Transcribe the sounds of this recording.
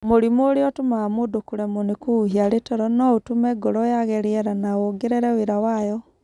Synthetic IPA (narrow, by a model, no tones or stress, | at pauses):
moɾimoːɾeɔtumaamodokuɾɛmonekuːhiaɾetɔɾɔnɔutumɛɡɔɾɔjaɣɛɾiɛɾanaoɡeɾeɾɛweɾawajɔ